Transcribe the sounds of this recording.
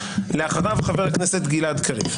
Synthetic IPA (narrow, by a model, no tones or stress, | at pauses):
leaχaʁavχaveʁakneset̪ɡilad̪kʰaʁḭv